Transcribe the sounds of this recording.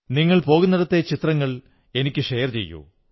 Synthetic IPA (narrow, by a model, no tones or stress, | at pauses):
niŋːɐɭpo̞ːɣunːɐɽɐt̪ːet͡ɕit̪rɐŋːɐɭ | e̞nikʲːɨʂejɐrt͡ɕe̞̰jːṵ